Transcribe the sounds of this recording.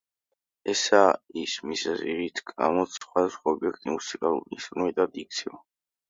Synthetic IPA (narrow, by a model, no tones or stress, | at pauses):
ɛsaismisziʁit̪ʰɡamɔt̪sχwad̪asχwaɔbiɛk̚ʰt̪ʼimusikʼalˠṵɾisɾumɛt̪ʼad̪ik̚t̪sʰiɔ